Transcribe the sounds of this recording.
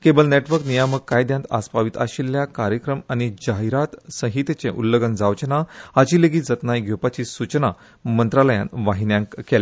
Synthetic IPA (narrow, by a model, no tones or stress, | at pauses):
kebəlneʈʋəɾknijaməkːajd̪jãnt̪a̰spaʋit̪a̰ɕilːjakaɾjəkɾəmanid͡ʑaɦiɾat̪sə̃ɦit̪t͡sẽʔulːəɡənd͡zaʋt͡ɕənaad͡ʑiːleɡiːd͡zət̪najɡʱjopat͡ɕiːsut͡ɕna | mənt̪ɾaləjã̰nʋaɦinjãŋkela